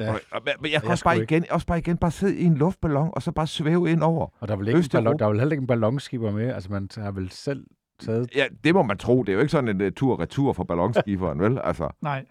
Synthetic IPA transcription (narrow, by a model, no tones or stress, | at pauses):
mmejakʰɒ̥ɑ̈ːiɡ̥enjɒsb̥ɑ̈ːiɡenb̥ɑ̈ːse̝ð̞̰ˠie̝nlɔ̽fd̥̚b̥ælɒ̽ŋ̰ɒ̽sɒ̽b̥ɑ̈ːsʋeːʊe̝n̰ɒʊ̰ɐɒd̥ɑʋeleøsd̥d̥ɑʋe̝lhel̰ɐeɡ̥n̩b̥ælɒ̽ŋsɡ̥ib̥ɐmeælsəmænhɑ̈ʋelsel̰ | t͡sʰɛːð̩ˠjæd̥e̝mɒ̽mænt͡sʰʁo̝̰ːd̥e̝æjoe̝ɡ̥əsɒ̽n̩ent͡sʰuɐ̰ʁɛt͡sʰuɐ̰fɒ̽b̥ælɒ̽ŋsɡ̥ib̥ɐːnʋelæ̰lsɐn̰